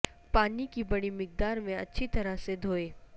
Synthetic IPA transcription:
paːnikibɐɽ̃imɪk̚d̪aːɾmẽɐ̰tːʃʰit̪ɐɾəsed̪ʱoːeː

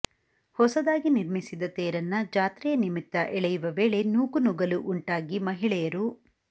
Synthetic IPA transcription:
hɔsɐd̪aːɡiniɾmisid̪ɐt̪eːɾɐnːɐd͡ʒaːt̪ɾɛjɐnimit̪ːɐ̰ʔɛɭɛjuʋɐʋe̞ːɭe̞nuːkunuɡɐluʔuɳʈaːɡimɐɦiɭɛjɐɾu

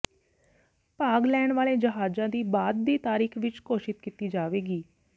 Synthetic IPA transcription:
paːɡlɛːɳʋaːleːd͡ʒəɦaːd͡ʒãːd̪iːbaːd̪ːiːt̪aːɾiːkʰʋɪt͡ʃkoːʃɪt̪kit̪iːd͡ʒaːʋeːɡiː

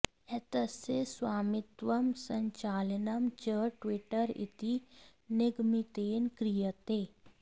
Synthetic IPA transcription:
ɛt̪əseswaːmɪt̪ʋəmsəɲt͡ʃaːlənɐmt͡ʃəʈwɪʈəɾɪ̰t̪inɪɡmit̪eːnkɾijət̪eː

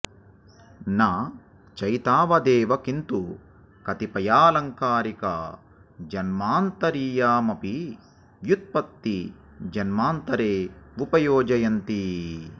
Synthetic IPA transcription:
naː | t͡ʃɐjt̪aːʋɐd̪ɛːʋɐkint̪u | kɐt̪ipɐjaːlɐŋkaːɾikɐ̰ | d͡ʒɐnmaːnt̪ɐɾiːjaːmɐpi | ʋjut̪̚pɐt̪ːi | d͡ʒɐnmaːnt̪ɐɾeːupɐjɔːd͡ʒɐjɐnt̪i

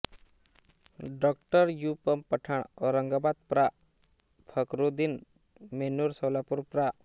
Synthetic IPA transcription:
ɖɔkʈəɾjupəmpəʈʰaɳ̃ɔɾəŋɡabad̪̚pɾa | pʰəkɾud̪in | menuɾsɔwlapuɾpɾa

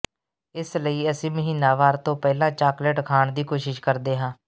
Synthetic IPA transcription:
ɪsləiːəsĩːməɦiːnaːʋaːɾt̪õːpɛːlãːt͡ʃaːkləʈkʰaːɳd̪iːkoːʃɪʃkəɾd̪eːɦãː

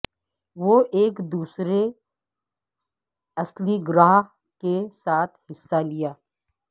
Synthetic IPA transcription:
ʋoːʔeːkd̪uːsɾe | ɐsliɡɾaːɦ | kesaːt̪ʰhɪsːalɪjaː

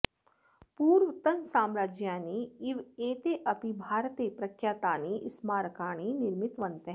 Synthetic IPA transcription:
puːɾʋət̪ɐnsaːmɾaːd͡ʒjaːniiʋeːt̪eʔɐpibʱaːɾt̪eːpɾɐkʰjaːt̪aːniʔɪsmaːɾkaːɽ̃inɪɾmɪt̪ʋɐnt̪e

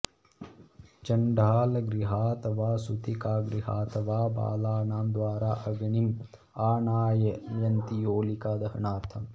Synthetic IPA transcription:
t͡ʃɐɳɖaːlɐɡɾiɦaːt̪ɐʋaːsut̪ikaːɡɾiɦa̰ːt̪ɐʋaːba̰ːlaːnaːmd̪ʋaːɾaːʔɐɡɐɳim | aːɳaːjɐjɐnt̪ijoːlikaːd̪ɐɦɐɳaːɾt̪ʰɐm

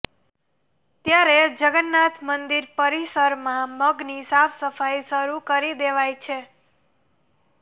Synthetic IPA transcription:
t̪jaɾed͡ʒəɡənːat̪ʰmənd̪iɾpəɾisəɾmãməɡnisapʰsəfajsəɾukəɾid̪eʋajt͡ʃʰe

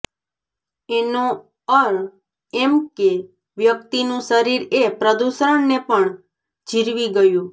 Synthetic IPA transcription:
eno | əɾ | emke | ʋjəkt̪inũʃəɾiɾepɾəd̪uʃɾəɳnepəɳ | d͡ʒʱiɾʋiɡəjũ

